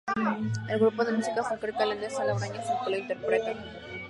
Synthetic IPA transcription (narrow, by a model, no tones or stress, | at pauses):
elɣɾupoðemusikafokɾet̪alend̪esalaβɾaɲafukulaint̪eɾpɾet̪a